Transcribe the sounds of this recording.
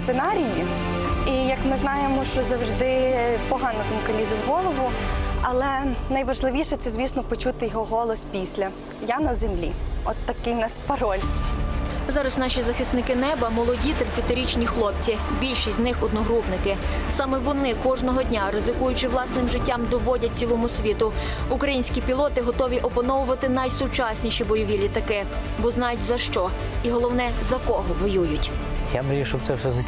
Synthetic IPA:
ssenɑɾʲiji | ijɐkmɪznɑjemɔʃt͡ʃɔzɐwʒd̪ɪpɔɦɑnɔt̪ɔmʊkɐlʲizʲɐwɦɔlˠɔʋʊɐlˠɛnɐjʋɐʒlˠɪʋʲiʃɛt̪sʲɛzʲʋʲisnɔpɔt͡ʃut̪ɪjɔɦɔɦɔlˠɔspʲisʲlʲɐ | janɐzemlʲḭɔt̪ːɐkɪjnɑspɐɾɔlʲ | zɑɾɐsnɑʃʲizɐxɪsnɪkɪnɛbɐmɔlˠɔdʲit̪ɾɪt͡sʲːɐt̪ɪɾʲit͡ʃnʲixlˠɔp̚t͡sʲi | bʲilʲʃisʲtznɪxɔd̪̚nɔɦɾupnɪkɪsɑmɛʋɔnɪkɔʒnɔɦɔdʲnʲaɾɪzɪkujʊt͡ʃɪʋlˠɑsnɪmʒɪtʲːɑmd̪ɔʋɔdʲɐt̚ʲt͡sʲilˠɔmʊsʲʋʲit̪ʊ | ʊkɾɐjinʲsʲkʲipʲilˠɔt̪ɪɦɔt̪ɔʋʲiʔɔpɐnɔʋʊʋɐt̪ɪnɑjsʊt͡ʃɑsʲnʲiʃibɔjɔʋʲilʲit̪ɐkɪ | bɔznɑjʊtʲzɐʃt͡ʃɔ | iɦɔlˠɔwnɛzɐkɔɦɔʋɔjujʊtʲjamɾʲiʃɔbt̪sɛwsɛzɐ

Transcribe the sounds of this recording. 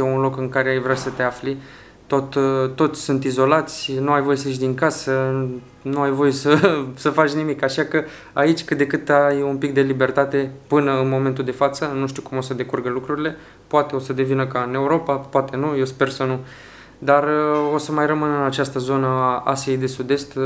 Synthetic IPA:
eunlo̞kɨŋkaɾeajvɾeasət̪e̞afli | t̪o̞t̪t̪ːo̞t̪sʲsunt̪izo̞lat̪sʲnuajvo̞je̞səiʃ̬ʲd̪iŋkasə | nuajvo̞je̞səsəfat͡ʃʲnimikaʃakə | ait͡ʃʲkɨt̪d̪e̞kɨt̪ajumpik̚d̪e̞libe̞rt̪at̪e̞pɨnəɨnmo̞ment̪̬uld̪e̞fat̪sənuʃt̪ukumo̞səd̪e̞kurɡəlukɾuɾile̞ | poat̪e̞o̞səd̪e̞vinəkaɨne̞uɾo̞papoat̪e̞nuje̞wspe̞rsənu | d̪aro̞səmajrəmɨnɨnat͡ʃast̪əzo̞nəaa̰siejd̪e̞sud̪e̞st̪

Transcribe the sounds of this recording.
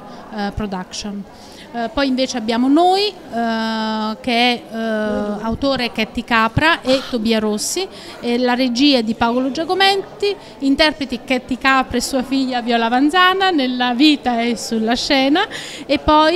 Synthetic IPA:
pɾod̪akʃon | pɔjiɱveːt͡ʃeabːjaːmonoːj | k̟eɛ | awt̪oːɾekɛt̪ːikaːpɾaʔet̪ːobiːaɾosːi | ɛlaɾed͡ʒiːed̪ipaolod͡ʒakomɛnt̪i | int̪ɛrpɾet̪ikɛt̪ːikaːpɾesːuːafiʎːavjɔːlavanzaːnanelːaviːt̪aɛsːulːaʃːɛːnaepːɔ

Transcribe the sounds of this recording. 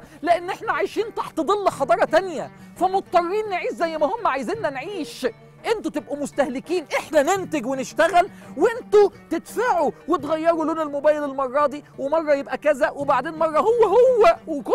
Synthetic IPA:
leʔenːʔeħnæʕajʃiːnt̪ɑħt̪ed̪ˤelːħɑd̪ˤɑːɾˤɑt̪ænjæfæmot̪̚t̪ˤːɑrˤːiːnːeʕiːʃzæjːmæhomːʕajziːnːænʕiːʃ | ʔent̪ot̪ebʔæmost̪æhlɪkiːnʔeħnænent̪eɡwenɪʃt̪æɣælweʔent̪ot̪et̪faʕuwet̪ɣæjːɑɾˤuloːnelmobæːjelelmɑrˤːɑːd̪iːwemɑrˤːɑjebʔækæzæwebaʕd̪eːnmɑrˤːɑhowːæhowːæweko

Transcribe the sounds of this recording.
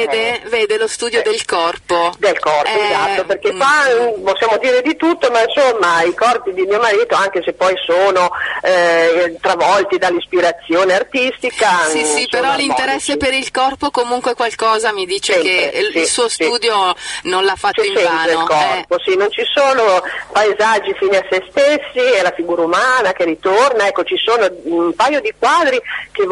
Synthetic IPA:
eːd̪eveːd̪elost̪uːd̪jod̪elkɔrpod̪elkɔrpɛoezat̪ːoperk̟ekaposːjaːmod̪iːɾed̪it̪ut̪ːomainsomːaikɔrpid̪imiːomaɾiːt̪oaŋk̟esepːɔjsoːnoɛt̪ɾavɔlt̪id̪alːispiɾat̪sːjoːneart̪ist̪ikasisispeɾɔlːint̪eɾɛsːepeɾilkɔrpokomuŋkwekwalkɔːzamid̪iːt͡ʃekeisuːost̪uːd̪jononlafːatoĩɛvaːneolkɔɛrposinont͡ʃisoːnopaezad͡ʒːifiːniasːest̪esːielafiɡuːɾaumaːnakeɾit̪ornaɛkːot͡ʃisoːnoumpajod̪ikwaːd̪ɾik̟e

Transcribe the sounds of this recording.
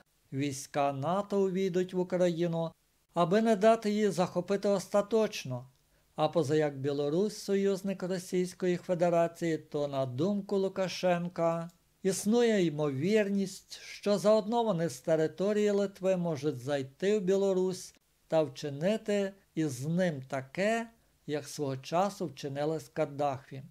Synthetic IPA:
ʋʲijsʲkɑnɑt̪ɔwʋʲijd̪ʊtʲʋʊkɾɐjinʊ | ɐbɪnɛd̪ɑt̪ɪjizɐxɔpɪt̪ɪɔst̪ɐt̪ɔt͡ʃnɔ | ɐpɔzɐjɐɡ̚bʲjɛlˠɔɾusʲsɔjuzʲnɪkrɔsʲijsʲkɔjife̞d̪eɾɑt͡sʲijit̪ɔnɐd̪umkʊlˠʊkɐʃɛnkɐ | isnujɛimɔʋʲirnʲisʲtʲʃt͡ʃɔzɐɔd̪nɔʋɐnɪst̪eɾɪt̪ɔɾʲijilˠɪt̪ʋɪmɔʒʊtʲzɐjt̪ɪwbʲilˠɔɾusʲ | t̪ɐwt͡ʃɪnɪt̪ɪ | iznɪmt̪ɐkɛ | jɐksʋɔɦɔt͡ʃɑsʊwt͡ʃɪnɪlˠɐsʲkɐrd̪ɑxʋʲi

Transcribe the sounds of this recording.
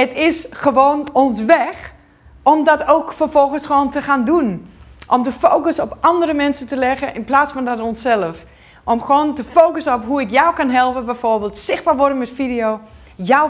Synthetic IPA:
ətɪsxəʋoːnɔnsʋɛx | ɔmdɔtoːkfərfɔlˠxənsχəʋoːntəxaːndunʔɔmtəfoːkəsɔpɑndərəmɛnsətəlɛɣəʔɪnplaːsfɔndɔtonsɛlˠəf | ʔɔmxoːntəfowkəsəɔpɦuɪkjawkanɦɛlˠpəbɛjforbeːlˠtsɪxb̥aːrʋɔdənmɛtfidijoː | jaw

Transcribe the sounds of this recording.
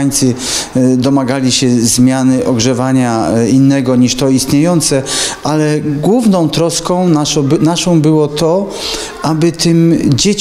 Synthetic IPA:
jt̪sɘ | d̪ɔmaɡalʲiɕɛzmʲjanɘʔɔɡʐɛvaɲainːɛɡɔɲiʂt̪ɔist̪ɲejɔnt̪sɛʔalɛɡwuvnɔ̃w̃t̪ɾɔskɔ̃w̃naɔnaʂɔ̃w̃bɘwɔt̪ɔ | ʔabɘt̪ɘmd͡ʑet͡ɕ

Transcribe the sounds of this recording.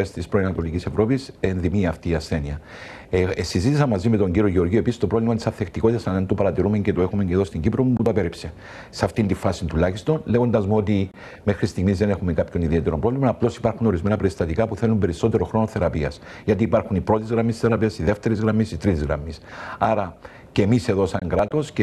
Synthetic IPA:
est̪ispɾoiɐnɐt̪o̞licise̞vɾo̞pisenðimiɐft̪iːɐsθeniɐ | sizit̪isɐnmːɐzime̞t̪o̞ɲɟiɾioʝeo̞ɾʝioe̞pisist̪opɾolimɐt̪i̥sɐθːekt̪iko̞t̪it̪ɐsðent̪opɐɾɐt̪iɾume̞ɲce̞t̪oe̞xume̞ɲceðo̞st̪iɲɟipɾo̞muput̪ɐpeɾipse̞ | sɐft̪ind̪ifasint̪ulaçist̪o̞nleɣo̞nd̪ɐzmuo̞t̪i | me̞xɾist̪iɣmizðe̞ne̞xumekapço̞niðie̞t̪eɾompɾolimɐnɐplo̞si̥pɐɾxuno̞ɾizmenɐpɾest̪ɐt̪ikapuθe̞lːumbe̞ɾiso̞t̪eɾo̞xɾo̞noθe̞ɾɐpiɐs | ʝɐt̪iːpaɾxunipɾo̞t̪izɣɾɐmisθe̞ɾɐpiɐsiðe̞ft̪e̞ɾizɣɾɐmːisit̪ɾit̪izɣɾɐ̰mːisaɾɐ | cemise̞ðo̞sɐŋɡɾat̪o̞sce

